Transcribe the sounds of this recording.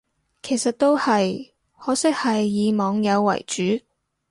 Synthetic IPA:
kʰe˨˩jsɐ˨t̚t̪o˥whɐ˨j | hɔː˨˥sɪ˥k̚hɐ˨jːiː˨˧mɔː˨˧ŋjɐ˨˧wːɐ̰˨˩jt͡ʃyː˨˥

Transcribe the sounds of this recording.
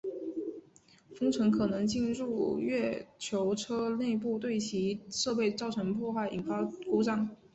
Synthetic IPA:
fɤ˥ŋt͡sʰwə˧˥nkʰɤ˨˩nɤ˧˥ŋt͡ɕi˥˧nɻu˥˧ɥɛ˥˩t͡ɕʰjo˧˥ʊʈ͡ʂʰɤ˥ne˥˧ɪp̬u˥˧t̪̬we˥˩ɪt͡ɕʰi˧˥ʂɤ˥˧pe˥˧ɪt͡sɑ˥˩ʊʈ͡ʂʰə˧˥npʰwɔ˥˧xwa˥˩ɪʔi˨˩nfa˥ko˥ʊʈ͡ʂɑ˥ŋ

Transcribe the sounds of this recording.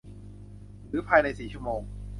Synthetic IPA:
ɾɯː˩˦pʰaː˧jna˧jsiː˨˩t͡ɕʰu˥əmoː˧ŋ

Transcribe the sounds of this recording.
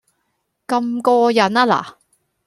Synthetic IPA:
kɐ˧mkɔː˧jɐ˨˥naː˥la̰ː˨

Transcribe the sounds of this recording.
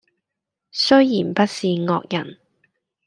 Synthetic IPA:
sɵ˥ɥjiː˨˩npɐ˥t̚siː˨˧ŋɔ̰ː˧k̚jɐ˨˩n

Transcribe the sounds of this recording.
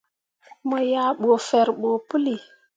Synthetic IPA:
mo˨ja˨ɓo˨fɛ˨ɾɓo˨pu˦li˨

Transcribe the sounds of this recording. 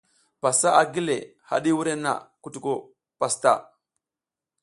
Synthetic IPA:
pa˨sa˦ʔa˨ɡi˦le˨ | ha̰˨ɗi˦wu˦ɾe˦na̰˨ku˦tu˨ko˦˨ | pa˨sta˦˨

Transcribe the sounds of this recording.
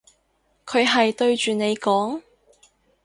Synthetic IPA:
kʰɵ˨˧ɥɦɐ˨jt̪ɵ˧ɥt͡ʃyː˨ne˨˧jkɔː˨˥ŋ

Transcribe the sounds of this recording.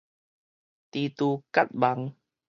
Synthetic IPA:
t̪iː˧t̪uː˧ka˦˥t̪̚ba˨˦ŋ

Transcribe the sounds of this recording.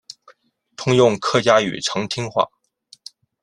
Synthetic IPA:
t̪ʰʊ˥ŋjʊ˥˧ŋkʰɤ˥˩t͡ɕja˥y̰˨˩ʈ͡ʂʰɤ˧˥ŋt̪ʰi˥ŋxwa̰˥˩

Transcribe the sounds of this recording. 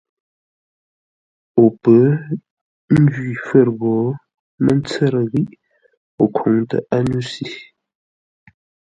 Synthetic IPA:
o˨pə˨˦ | n̩˦d͡ʒɥi˨fə˦˨ɾɣɔː˨˦ | mə˦n˦t͡sə˦˨ɾə˨ɣi˦ʔ | o˨kʰo˨˦ŋtə̰˨ʔa˦nu˦si˦

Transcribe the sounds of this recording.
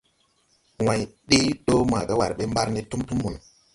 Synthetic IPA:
wã˨jɗe˦ɗo˦ma̰˨ɓe˦wa̰˨ɾɓe˦mba˦ɾne˦tu˦mtu˦mːu˨n˨

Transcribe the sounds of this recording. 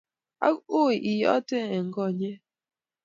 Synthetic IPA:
a̰˦u˦˨i˨jɔ̰˨˦te˦ɛ˨ŋ̩˦ɡɔ˦˨ɲe˦

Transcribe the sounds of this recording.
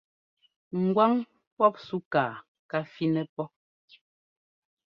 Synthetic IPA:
ŋ̩˨ɡwa˦ŋ | pɔ˦p̚su˦kaː˨ | ka˦fi˦nɛ˦pɔ˦

